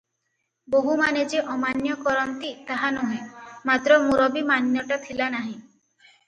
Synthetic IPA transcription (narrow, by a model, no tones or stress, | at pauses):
boɦumaned͡ʒeʔɔmanjɔkɔɾɔnt̪it̪aɦanɔɦẽmat̪ɾɔmuɾɔbimanjɔʈat̪ʰilanaɦĩ